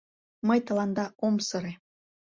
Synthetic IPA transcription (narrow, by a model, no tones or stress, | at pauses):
məjt̪ə̆lɑnd̪ɑomsɤɾe